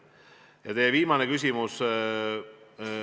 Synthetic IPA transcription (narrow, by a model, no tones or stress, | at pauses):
jɑt̪ejeviːmɑnekys̬ʲimus